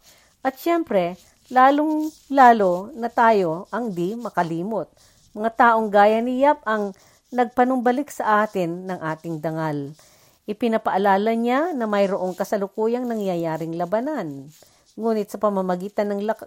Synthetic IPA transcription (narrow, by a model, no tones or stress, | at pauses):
ʔɐt̪̚ʃɛmpɾɛ | laːloŋ | laːlo̞nɐt̪aːjo̞ʔɐŋd̪imɐkɐliːmot̪̚ | mɐŋat̪aːʔoŋɡaːjɐnɪjap̚ɐŋ | nɐɡ̚pɐnʊmbɐlɪksɐʔaːt̪ɪnːɐŋʔaːt̪ɪŋd̪ɐŋal | ʔɪpɪnɐpɐʔɐlaːlɐɲanɐmɐjɾoʔo̞ŋkɐsɐlʊkuːjɐŋnɐŋjɐjaːɾɪŋlɐbɐnan | ŋuːnɪt̪̚sɐpɐmɐmɐɡiːt̪ɐnːɐŋlɐ